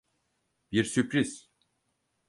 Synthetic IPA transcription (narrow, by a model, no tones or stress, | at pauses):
biɾsypɾiz̥